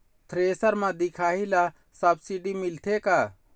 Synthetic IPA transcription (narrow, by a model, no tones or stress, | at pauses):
t̪ʰɾeːsəɾmãd̪ikʰaːɦila | sɐbsiɖimilt̪ʰekaː